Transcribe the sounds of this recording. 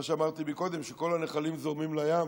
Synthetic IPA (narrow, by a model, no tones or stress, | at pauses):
aʃeamaʁt̪imiko̞d̪e̞mʃeko̞lhaneχalimzo̞ʁmimlajam